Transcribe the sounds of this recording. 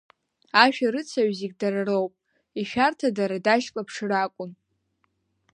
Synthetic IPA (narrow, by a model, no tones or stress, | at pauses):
aʃᶣaɾɨt͡sʰaɥziɡ̚ʲdararowpʼ | iʃᶣartʰadaɾadaʃkʼapʰʂɨrakʷʼʊn